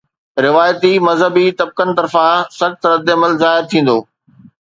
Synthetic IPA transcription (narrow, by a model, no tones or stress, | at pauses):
ɾɪʋaːjt̪imɐzɦəbit̪ɐb̚kənɪt̪ɐɾfãsɐxt̪ɾɐd̪ɐməlzaːɦɪɾt̪ʰĩːn̆d̪oː